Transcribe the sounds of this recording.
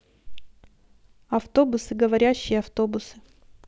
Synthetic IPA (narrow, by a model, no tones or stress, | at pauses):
ɐft̪o̞bʊsɨɡəvɐɾʲæɕːɪjəɐft̪o̞bʊsɨ̥